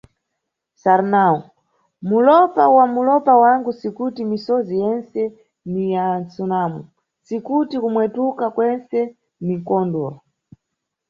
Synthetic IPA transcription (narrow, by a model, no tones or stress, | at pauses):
saɾnau | mulɔpawamulɔpawaŋɡusikutimisɔzijɛnsɛ | nijant͡sunamu | sikutikumwɛtukakwɛnsɛ | niŋkɔndɔ